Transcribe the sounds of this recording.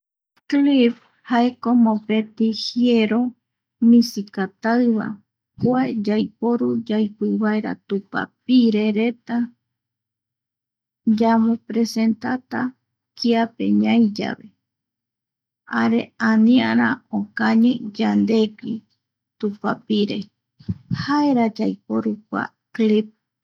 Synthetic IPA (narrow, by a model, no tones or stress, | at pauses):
klip | haekomõpe̞t̪ihieɾo̞ | mĩsikat̪aɨβa̰ | kwaed͡ʒajpoɾud͡ʒajpɨβaeɾa̰t̪upa̰p̚iɾeɾet̪a | d͡ʒamõpɾese̞nt̪at̪a | kiapḛɲãjd͡ʒa̰βe̞ | aɾe̞anĩaɾaokaɲẽd͡ʒand̪e̞ki | t̪upapiɾe̞̰ | haeɾad͡ʒajpoɾukʷa̰ | klip̚